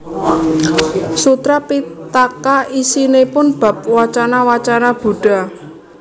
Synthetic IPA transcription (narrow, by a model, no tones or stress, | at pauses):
sut̪ɾapit̪akaisinepʊnb̥a̤p̚wat͡ʃanawat͡ʃanab̥ṳɖ̥a̤